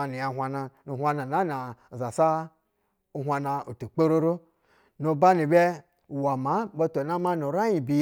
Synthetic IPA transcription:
ni˨ja˨ɦʷa˧na˧nu˨hʷa˧na˨na˦na˨za˨sa˦ | u˦ɦʷa˧na˧u˨tu˨k͡pe˦ɾo˦ɾo˦ | no˨ba˦ni˨bʲe˦˨ | wa˨ma˨˦bo˦to˨na˦ma˦no˨ɾa˦i˨bi˧

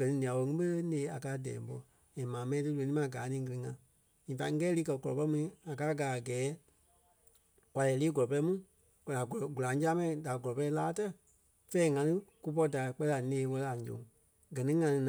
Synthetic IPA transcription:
ɡ̥ɜ˨nĩ˧nĩ˨ã˨wo˧˦ŋĩ˦ɓə˦lə˦neː˨˦a˨ka˧˦dɛ̰̃ː˨m˦bɔ˧ | ɛ̃˨mãː˨mɛ̃˧˦ĩ˧tɨ˦lo˨nĩ˦mã˨ɡaː˨˦nĩː˨˦ɡɨ˧lɨ˧ŋã˧ | ɲĩː˨fa˧ŋ̩˦kɛː˦liː˧˦kɜ˧˨ɡɔ˨ɔ̰˨pɛ˧˦mũ˧nĩ˧˦a˨kaː˦ɡaː˨a˨ɡɛː˨˦ | kʷa˨lɛː˨˦liː˦ɡɔ˨lɔ˨pɛ˧˦mũ˦ | ka˨ɡu˨lã˨˦d͡ʒa˦mɛ̃˦ĩ˨da˨ɡɔ˨ɔ˨pɛ˧i˦laː˦tɛ˦ | fɛ˦ŋã˧tɨ˦ku˧p̬ɔ˧˦da˨k͡pɛ˧˦a˨nẽː˧˦wɜ˧˦a˨ɲd͡ʒõ̰˨˦ | ɡɜ˨nĩ˦ŋã˧lɨ̃˧n˨

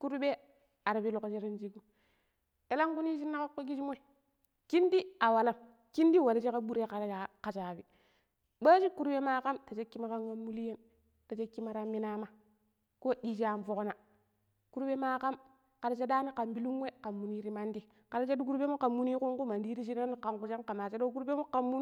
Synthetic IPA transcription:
ku˦ɾu˦be˦ | a˨ɾa˨bi˦lo˨ko˨t͡ʃe˦ɾi˦nt͡ʃi˦ɡu˦ | e˦la˦ŋku˦ni˦ʃ̬i˦nːa˦ka˦kːo˦ɡi˦ʃi˦mo˦i˨ | ki˦ndi˦a˨wa˨la˦m | ki˦ndi˦wa˨la˦t͡ʃe˦ka˦ɓu˦ɾe˦ka˨˦a˨ka˨t͡ʃa˨bi˨ | ba˦ʃi˦ku˦ɾɓe˦ma˦ka˦mta˨t͡ʃe˦kːi˦ma˦ka˦ŋwa˦mːu˦li˦je˦n | ta˨t͡ʃe˦kːi˦ma˦ɾa˦mːi˦na˦ma˦ | ko˦ɗi˦ʃa˨mfo˨ko˦na˨ | ku˦ɾbe˦ma˦ka˦m | ka˨ɾa˨˦t͡ʃe˦da˦ni˦ka˨mbi˦lu˦ŋwe˦ka˨mːu˨ni˦ɾi˦ma˦ndi˦ | ka˨ɾa˦t͡ʃe˦du˦ku˦ɾbe˦mo˦ka˨mːu˦ni˦ku˦ŋku˦ma˨ndi˦ɾi˦ʃ̬i˦na˦ni˦ka˨ŋku˨ʃa˦ka˨ma˨t͡ʃe˦do˦k̬u˦ɾbe˦mo˦ka˨mːu˦n˦

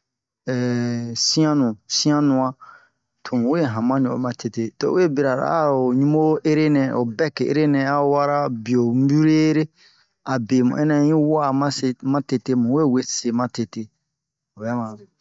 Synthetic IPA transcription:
ɛ˨sĩ˦ã˦nũ˨sĩ˦ã˦nũ˨ã˦ | tʰo˨mũ˨wo˦e˦˨ɦã˨mã˦nĩ˨o̰˨˦mã˨te˨te˦to̰˦e˦bi˨ɾa˨ɾa̰˨a˦˨o˨ɲũ˦mo˦e˦ɾe˦nɛ̃˨o˨bɛ˦ke˨ḛ˦ɾe˦nɛ̃˨a˦wa˦ɾa˦bi˨o˨m̩˦bu˦ɾe˦ɾe˦ | a˨be˨mṵ̃˨ɛ˦nɛ̃˨˦jĩ˦wa˦˨mã˦se˨mã˦te˨te˦mũ˨we˦˨we˦se˨mã˦te˨te˦ | o˨ba˦mã˨

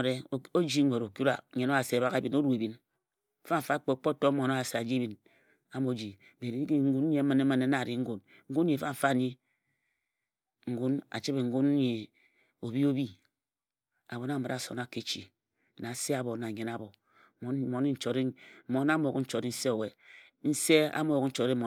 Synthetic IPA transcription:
ɾe˨o˦d͡ʒi˦ŋʷe˨ɾo˨ku˦ɾa̰˨˦ɲe˨˦no˦a˨se˨a˨ba˦ɣa˨bi˨no˦ɾu˨e˨bi˨n̩˦ | fa˦m̩˨fa˦k͡pe˨k͡po˦to˦mo˨no˦a˨se˨a˨d͡ʒi˦bi˨n | a˦mo˨˦d͡ʒi˨ | be˨ɾi˨i˦ki˦ŋ̩˦ɡu˦n˦ɲe˨˦ma˨ne˦ma˨ne˦na˨ɾi˨ŋ̩˦ɡu˨n | ŋ̩˦ɡu˦n˦i˨fa˦ɱ̩˨fa˦˨ɲi˦ | ŋ̩˨ɡu˦na̰˨t͡ʃi˦be˨ŋ̩˦ɡu˦n˦ɲe˨ | o˨bi˦o˦bi˦ | a̰˨bo˨na˦˨ma˨ɾa˨so̰˨na˦ke˨t͡ʃḭ˨ | na˨se˦a˨bo˨na˨ɲe˨na˨bo˨ | m˨˦mo˨ni˦n̩˦t͡ʃo˨ɾ̩˦mo˨˦na˦mo˦˨o˨kn̩˦t͡ʃo˨ɾi˦n̩˦se˦o˨we˨ | n̩˦se˦a̰˦mo˦˨jo˨kn̩˦t͡ʃo˨ɾe˦mo˨

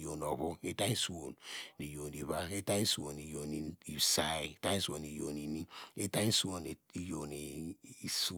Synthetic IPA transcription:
jo˨no˨βo˦e˦ta˦i˦su˦wo˨nni˨jo˨ni˨βa˦e˦ta˦i˦su˨˦o˨ni˨jo˨ni˨i˨sa˦˨i˦e˦ta˦i˦su˦o˨ni˨jo̰˨ni˨ni˦e˦ta˦i˦su˦wo˨ne˨i˦jo˨ne˨i˦su˦

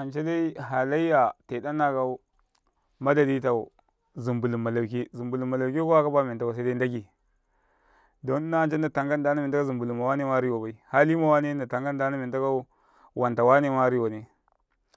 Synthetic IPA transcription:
a˨nt͡ʃe˦da˦i˦ɦa˨la˦i˦ja˨te˨da˦nːa˦ka˦u˦ | ma˦da˨di˦ta˨u˨ | zu˨mbu˨lu˨mːa˨la˨ki˦zi˨mbu˨lu˨mːa˨la˨ki˦ko˦a˦ka˦ba˦mi˨nta˦wa˨s̬a˦da˦da˦ɡi˨ | do˦n˦na˦a˨nt͡ʃe˦n˦da˨ta˨ŋɡa˦nda˦na˦mi˨n˨ta˦zu˨mbu˨lu˨mːa˨wa˦ne˦ma˦ɾi˦wa˨ba˨i˦ha˦li˦ma˨wa˦ne˦nda˨ta˨ŋɡa˦n˦da˦na˦mi˨˦ta˦ka˦ | wa˨nta˨wa˦ne˦ma˦ɾi˦wa˨ni˦

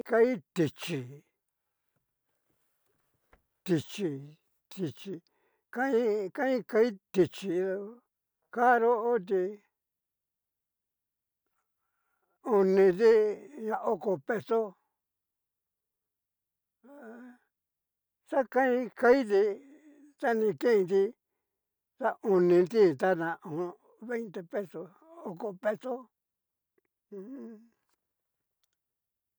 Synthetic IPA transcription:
ka˧˦i˦t̪i˧t͡ʃi˧ | t̪i˧t͡ʃi˧ | t̪i˧t͡ʃi˧ | ka˦ĩ˦kã˦ĩ˦ka˧˦i˦t̪i˧t͡ʃi˧o˧ | ka˦ɾo˦ʔo˦t̪̬i˧ | o˧nĩ˧ði˦ɲã˧ʔo˧ko˧pe˧so˦ | sa˦kã˦ĩ˧˦ka˦i˦ði˧ | t̪a˦nĩ˧kẽ˦˧nd̪i˧ | t̪a˦ʔu˧nĩ˧nd̪i˦t̪a˦nã˧ʔõ˨˧ | βe˦jnt̪e˧pe˦so˧ | o˦˧ko˧pe˦so˦˧

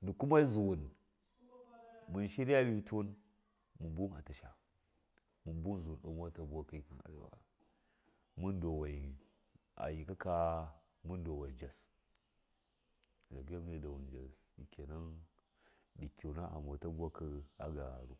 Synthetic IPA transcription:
du˨ku˦ma˦i˦zu˨wu˨n | mu˨nʃi˦ɾa˦wi˦tu˦n | mu˨bu˦a˨ta˨ʃa˨ | mu˨bu˦n˦zu˨wu˨ɗu˨m˦wa˦ta˦bu˦wa˦ki˦i˦ki˨na̰˨ɾḭ˨wa̰˨ | mu˦ndo˨wa˨i˨ | a̰˨ji˨ka˦ka˦ | mu˦ndo˨wa˨i˨d͡ʒa˨s | da˨ɡa˦m˦ne˦da˨wu˨nd͡ʒa˨s | ḭ˨kʰʲe˨na˦n | ɗi˨kʲi˨na˦ʔa̰˨m˨o˨˦ta˦bu˦wa˦kə˦a̰˦ɡa̰˨ɾu˦

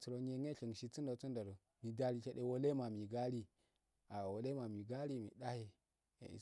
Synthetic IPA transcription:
t͡su˨ɾo˨ɲ˦e˨ŋe˦ɬi˨ŋ˨ʃi˨t͡su˦ndo˨t͡su˦nda˨ɾo˨ | mi˨da˨ɾi˨t͡ʃe˨ɗe˨wo˦le˦ma˨mi˨ɡa˦ɾi˦ | a˨wo˨le˦ma˨mi˨ɡa˦ɾi˦mḭ˨ɗa˦hḛ˨ | ḭ˨

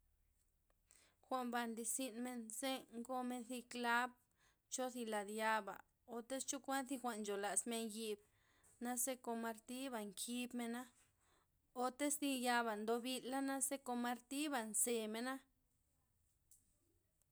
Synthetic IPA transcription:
xʷa˧mba˧nd̪i˧si˧nme˧nse˦ŋɡo˧me˧nθi˧kla˦b̚ | t͡ʃo˦θi˧la˨d̪ja˧ba̰˨ | o˧t̪e˦st͡ʃu˦kʷa˦nθi˧xʷa˧ʔnd͡ʒo˨la˨sme˧nji˧b̚ | na˧se˦ko˧ma˧ɾt̪i˦ba˧˨ŋkʰi˧bme˧na˦ | o˧t̪e˦sd̪i˧ja˧βa˨nd̪o˧bi˧lːa˦na˦se˦ko˧ma˧ɾt̪i˦ba˨nse˧me˧na˦

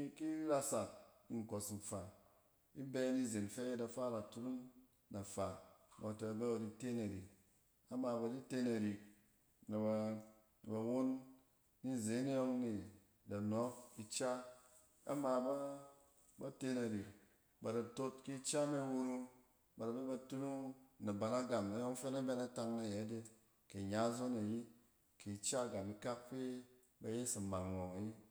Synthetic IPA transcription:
ki˦ɾa˦sa˨t̚i˨ŋ̩˨ko˨sn̩˨fa˨ | i˦be˦ni˦˨ze˨n˨fe˦e˦da˨fa˦ɾa˨tu˦ɾu˦n | na˨fa˨ba˨to˨a˨be˦bdi˨te˦na˨ɾi˨k̚ | a˦ma˧˨ba˨di˦te˦na˨ɾi˨k̚ | na˨ba˧˨ | ba˨wo˦nː | i˦˨ze˨˦n˦ɔ˦ŋni˨ | da˨nɔ˨˦ki˦t͡ʃa˦ | a̰˦ma˧ba˦ | ba˦te˧na˨ɾi˨k̚ | ba˨da˨to˧tki˦t͡ʃa˦na˦wu˧ɾu˧ŋ | ba˨ɾa˨be˦ba˧tu˦nu˦ŋna˨ba˨na˦ɡa˨mna˨˦jɔ˦ŋ˦fe˦na˦bɛ˧na˦ta˧ŋna˨je˨˦de˦ | ke˨ɲa˨˦zo˦na˨ji˦ | ki˨t͡ʃa˦˨ɡa˨mi˧ka˦k̚pe˦ | ba˧˦je˦si˨ma˨ŋnɔ˨ŋa˨ji˦

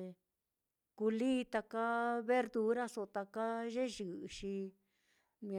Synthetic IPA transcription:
ku˧liː˦˧t̪a˧ka˦βe˦ɾd̪u˧˦ɾa˦so˧t̪a˧ka˦ʒe˦ʒɨ˨˧ʃi˧ | m̃˧

